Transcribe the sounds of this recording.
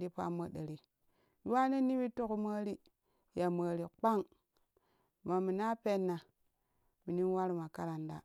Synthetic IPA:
ɾi˦pa̰˦mə˦ɗə˨ɾi˨˦ | wa˦ne˦ni˦wi˦to˦ku˦mə˦ɾi˦ | ja˨mə˨ɾi˨k͡pa˦ŋ | ma˨mi˨na˦pe˦nːa˨ | mi˨ni˦n˦wa˦ɾu˨ma˨ka˦ɾa˨nda̰˨

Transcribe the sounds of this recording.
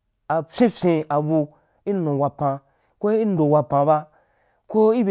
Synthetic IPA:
a˨fʲẽ˦fʲẽ˧a˨bu˧ | i˦nũ˨wa˧pã˧ | ko˦i˦n˦do˨wa˧pã˨ba˦ | ko˦i˦be˨

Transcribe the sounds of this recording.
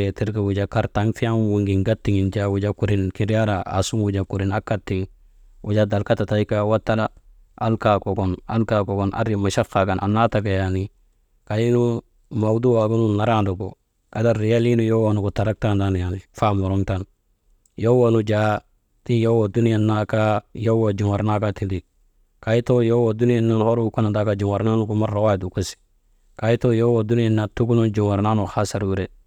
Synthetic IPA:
eti˦ɾkawud͡ʒaka˦ɾtaŋfi˦a˦mwuŋɡi˨ŋɡatːi˨ŋi˨nd͡ʒawu˨d͡ʒaku˨ɾinkiɾjaɾaa̰su˦mwud͡ʒaku˨ɾina˦kːatːiŋ | wud͡ʒada˨lkata˨tajkawatːa˦la | ʔa˦lkakoɡɔna̰˦lkakɔ˨ɡɔnʔa̰˦ɾima˨ʃa˦faɡa˨nʔa̰˨nːataɡa˨jani | kaji˦nu | mawdu˦waɡu˦nunaɾandu˨ɡo | ka˨da˦ɾi˨ja˦li˦nu˦˨jo˦wo˦˨nu˨ku˨ta˨ɾa˦k̚ta˦nda˦n˨ja˨ni˨fa˦mu˨ɾu˦ŋta˦˨n | jo˦wo˦nu˦d͡ʒa˦ | ti˦jo˦wo˨du˦ni˦ja˨nːa˨ka˦jo˦wa˨d͡ʒu˨ŋa˨ɾna˦ka˦ti˨di˨ | ka˨ji˦to˦jo˦wo˨du˦ni˦ja˨nːa˦n˨ho˦ɾu˦ko˦na˨da˨˦ka˨d͡ʒu˨ŋa˨ɾna˦nu˨ku˨ma˦ɾɾa˨wa˦˨du˨ku˦si̥ | ka˨ji˦to˦jo˦wo˨du˦ni˦ja˨na˨tu˦ɡu˦nu˦nd͡ʒu˨ŋa˨ɾna˦nu˨xa˦sa˨ɾwu˦ɾe˦

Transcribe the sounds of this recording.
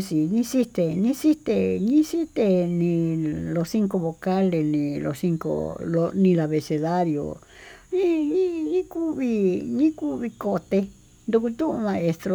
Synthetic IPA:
si˨nĩ˦si˦t̪e˧nĩ˦si˦t̪e˧ɲĩ˦si˦t̪e˧nĩ˧lo˧si˦ŋko˧βo˧˨ka˦le˧nĩ˧lo̰˧si˦˧ŋko̰˧˨lo˧nĩ˧la˨βe˧˨se˧ða˦ɾjo̰˨ | nĩ˦ɲĩ˦ɲĩ˦ku˦βi˧ɲĩ˦ku˦βi˧ko˧t̪e˧ | nd̪u˧ku˧t̪ũ˦ʔũ˧mã˧e˧st̪ɾo˧

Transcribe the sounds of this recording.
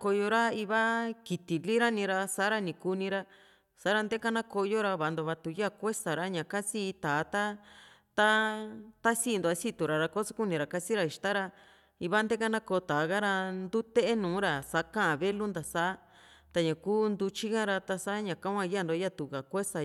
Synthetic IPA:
ko˧jo˧ɾa˦i˧βa˦ki˨t̪i˨li˦ɾa˦nĩ˧ɾa˧sa˨˦ɾa˧nĩ˨ku˧nĩ˧ɾa˧ | sa˨˦ɾa˧nd̪e˦ka˦nã˦ko˧jo˦ɾa˧βa˨˧nd̪o˧βa˧t̪u˧ja˦kʷe˦sa˨ɾa˦ɲã˨ka˦si˦˧t̪aː˨˦t̪a˦t̪a˦t̪a˦si˦˧nd̪o˧a˧si˦t̪u˨ɾa˨ɾa˧ko˦sa˦ku˦nĩ˧ɾa˨ka˧si˦ɾa˧i˨ʃt̪a˦ɾa˧ | i˧βa˦nd̪e˦ka˦nã˦ko˧t̪aː˨˦ɣa˦ɾa˧nd̪u˦t̪e˦ʔe˦nũː˨˦ɾa˨sa˨˦kã˦ʔã˨βe˦lu˦nd̪a˨sa˦ | t̪a˧ɲã˨kuː˦nd̪u˧t͡ʃi˦ɣã˦ɾa˧t̪a˧sa˦ɲã˨kã˦kʷã˧ja˦˨nd̪o˧˦ja˦t̪u˨ɣa˨kʷe˦sa˨

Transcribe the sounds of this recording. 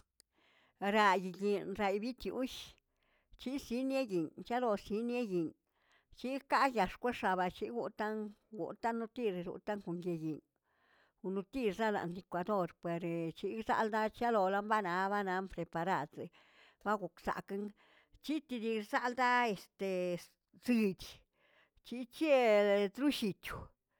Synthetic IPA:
ɾa˧ji˨ɡi˨nɾa˧jbi˦t̪jṵ˦ʃ | t͡ʃi˦si˦nje˦ji˨nt͡ʃa˦lo˧si˧˦nje˦ji˨n | t͡ʃi˦ka˦ja˨ʂkʷe˦ʂa˨˧βa˧t͡ʃi˦ɡu˧˨t̪a˦nɡṵ˨t̪a˦nːu˧t̪i˧ɾɾṵ˧t̪a˦ŋko˨ŋje˧ji˨ɲ | u˧nu˧t̪i˧ɾsa˦la̰˧nd̪i˧kʷa˧d̪o˦˧ɾpwe˨ɾt͡ʃi˧sa̰˧ld̪a˦t͡ʃa˦lo˧la˦mba˦na˧˦βa˦na˨˧˦mpɾe˨pa˧ɾa˧d̪se˨ | ba˦ɡu˨ksa̰˨ke˦ŋ | t͡ʃi˦t̪i˧d̪i˧sa˦ld̪a˦e˨st̪e˨ | zɨ˧d̪ʲ | t͡ʃi˧t͡ʃe˦d̪ɾu˦ʃi˧t̪ʲu˨

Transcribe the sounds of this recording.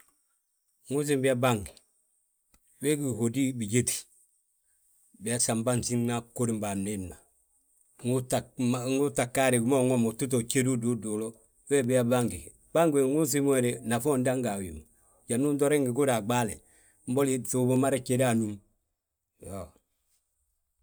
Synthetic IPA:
ŋu˦s̬i˦mbi˦a˦ba˦ŋɡi˨ | we˦ɡi˨ho˨di˦bi˨ɟe˦ti̥ | bi˨a˦sa˨mba˦nsi˦ŋna˦ko˦ɾi˦mba˨ne˦nːa˨ | ŋu˦ta˨ŋu˦ta˨ka˦ɾi˨ɡu˦mo˦ŋo˦mo˨tu˦t̬o˨t͡ʃe˦du˦du˦do˨lo˦ | we˦bi˦a˦ba˦ŋɡi˨ | b̥a˦ŋɡe˨ŋu˦s̬i˦m˦e˨ɾe˨na˨fo˦nda˦ŋɡa˨wḭ˨m | ɟa˨nu˦ndo˦ɾe˦ŋɡi˨ɡu˦ɾa˨ɡ͡ba˦le˨ | m̩˦bo˦li˦tu˨bo˦ma˦ɾe˦ke˨da˨nu˦m | jo˨

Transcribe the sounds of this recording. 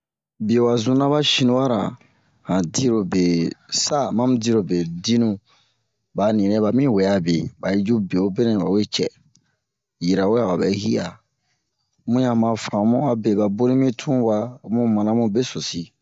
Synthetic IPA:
bi˨o˨wa˨zũ˦nã˦βa˦ʃĩ˦nũ˦wa˦ɾa̰˨ | hã˨di˦ɾo˨be˨sa˦mã˦mũ˦di˦ɾo˨be˨di˦nũ˦ | ba˨nĩ˨ɾɛ̃˦ba˨mĩ˦wɛ˨a˨bḛ˨ba˨ji˦d͡ʒu˦be˨o˦be˦nɛ̃˨ba˨we˦t͡ʃɛ̰˦˨ | ji˨ɾa˨we˦a˨ba˨bɛ̰˨˦hi˦a˨ | mũ˦jã˨mã˧fã˨˦mũ˦a˨be˨ba˨bo˦ɾĩ˦mĩ˦tʰũ˦wa˧mũ˦mã˨nã˦mũ˦be˦so˨si˨

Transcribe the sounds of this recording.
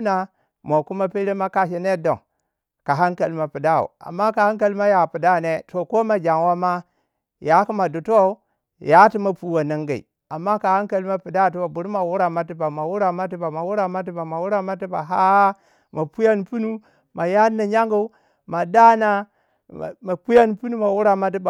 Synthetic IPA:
na˦˨ | mo˨ku˦ma˦pe˦le˦ma˦ka˦ʃ̬e˨ne˦do̰˨ | ka˨ɦa˦ŋka˨lma˨pi˨da˦ṵ˨a̰˨mːa˦ka˨ha˦ŋka˦˨lma˦ja˨pi˨da˦˨ne˦to˨ko˦ma˨d͡ʒa˨ŋwa˦ma˦ | ja˦ku˦ma˨du˨to˦˨˦ | ja˦ti˦ma˨pu˦wa˨na˦ŋɡa˨ḭ˨ | a˨mːa˦ka˨ha˦ŋka˨lma˦pi˨da˦˨t̬i˦ba˨bu˨ɾma˨wu˦ɾa˨ma˦ti˦ba˨ma˨wu˦ɾa˨ma˦t̬i˦ba˨ma˨wu˦ɾa˦˨ma˦t̬i˦ba˨ma˨wu˦ɾa˦ma˦ti˦ba̰˨ɦa˦ | ma˨pu˦ja˦n˨pu˦nu˦ | ma˨ja˦na˨ɲa˦ŋɡa˦ | ma˨da˦na̰˦˨ | ma˨pu˦ja˦npu˦nu˦ma˨wu˦ɾa˦ma˦t̬i˦ba˨

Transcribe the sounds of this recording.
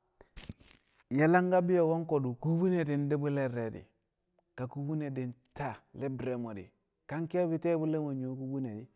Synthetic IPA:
ja˨la˦ŋɡa˦bi˦jo˨wo˦ŋko˨du˨ku˦bu˦ne˨di˨ndi˦bu˦le˦ɾe˨dḭ˨ | ka˨ku˦bu˦ne˨di˨nta˦˨le˦bɾe˨mo˨dḭ˨ | ka˦ŋki˦a˦bi˦te˦bu˦le˦mo˨ɲo˨˦ku˦bu˦ne˨di˨

